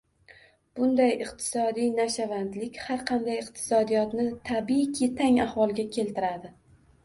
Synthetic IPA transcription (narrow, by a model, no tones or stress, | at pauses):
b̥ʊnd̪ajɪqt̪ʰɪ̥sɒd̪ijnaʃavand̪lɪkʲhaɾqʰɑnd̪ajɨqt̪ʰɪ̥sɒd̪ijɒt̪nɪt̪ʰabikʲʰet̪ʰaŋahvɒlˠɡʲakʲʰe̞lt̪ɪɾad̪ɪ